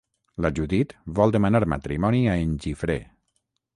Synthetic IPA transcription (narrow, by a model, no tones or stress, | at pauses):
laʒuðit̪βɔlˠd̪emanaɾma̰t̪ɾimɔniaenʲʒifɾḛ